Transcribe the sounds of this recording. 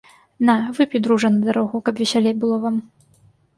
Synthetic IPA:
navɨpʲid̪ɾuʐɐnɐd̪aɾɔɣukɐpvʲɛsʲalʲejbɨlˠɔvam

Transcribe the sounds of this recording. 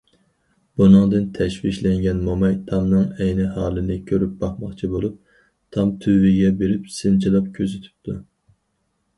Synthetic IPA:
b̥unɨŋd̪ɨnt̪ʰɛʃwiʃlɛŋɡʲɛnmomɑjt̪ʰɑmnɨŋɛjnɪɦɑːlˠɨnɨkʲʰøɾyp̚b̥ɑχmɑχt͡ʃʰibolˠup̚ | t̪ʰɑmt̪ʰywɪɡʲɛbeɾypsɪnt͡ʃʰilˠɑp̚kʲʰøzɪt̪ʰy̥p̚t̪ʰu

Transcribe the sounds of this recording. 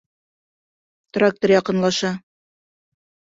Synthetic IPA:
t̪rak̚t̪oɾjɑqɤ̆nlˠɑʃɑ

